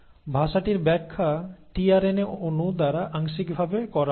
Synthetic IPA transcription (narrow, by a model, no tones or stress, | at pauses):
bʱaʃaʈiɾbɛkʰːaʈiaɾeneonud̪aɾaʔaŋʃikbʱabekɔɾa